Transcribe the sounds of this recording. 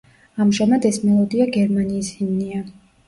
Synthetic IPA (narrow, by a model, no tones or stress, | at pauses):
amʒamad̪ɛsmɛlˠɔd̪iaɡɛɾmaniːsimnia